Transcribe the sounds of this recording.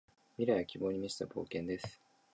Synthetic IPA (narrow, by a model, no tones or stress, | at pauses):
mʲiɾajakʲibo̞ːɲ̟imʲisi̥t̪abo̞̰ːkẽ̞nd̪e̞sɨ̥